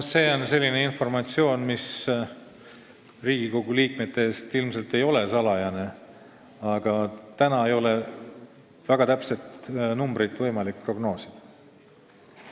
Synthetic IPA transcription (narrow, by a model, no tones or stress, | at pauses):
se̞ːo̞nse̞lʲːine̞info̞rmɑt̪sio̞ːnmis | riːɡ̥iko̞ɡuliːk̚me̞t̪ːeeːst̪ilmse̞lt̪e̞jo̞le̞sɑlɑjɑne̞ | ɑɡ̥ɑt̪ænɑe̞jo̞le̞ | væɡ̥ɑt̪æpse̞t̪numbɾit̪vɤjmɑlik̚pro̞ɡno̞ːsi̥d̪̥